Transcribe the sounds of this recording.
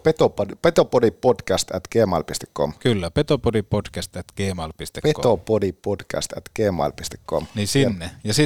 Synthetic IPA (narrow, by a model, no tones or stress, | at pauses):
pet̪opodipet̪opodipodkæst̪æt̪ɡ̥eːmɑ̰lpist̪e̥kko̰mkylːæpet̪opodipod̥kæst̪æt̪ɡ̥eːmɑˑlpist̪ekpetk̪opodipodkæ̰st̪æ̰t̪ɡ̥eːmɑ̰lpist̪ekkomniːsinːejɑsi